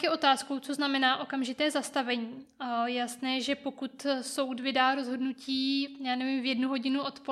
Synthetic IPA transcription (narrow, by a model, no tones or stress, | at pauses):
kɛʔo̞t̪aːskowt͡so̞znamɛnaːʔo̞kamʒɪt̪ɛːzast̪avɛɲiːjjasnɛːʒɛpo̞kut̪so̞wtvɪdaːɾo̞zɦo̞dnuciːjaːnɛvimvjɛdnuɦo̞ɟɪnuʔot̪po